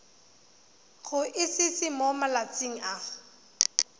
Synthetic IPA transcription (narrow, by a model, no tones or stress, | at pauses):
ɣʊʔɪsɪsɪmɔmalat͡sɪŋ̩a